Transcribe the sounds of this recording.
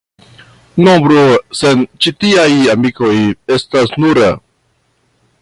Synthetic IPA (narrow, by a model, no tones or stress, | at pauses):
nobɾose̞nt͡ʃitiajamiko̞je̞stasnuɾa̰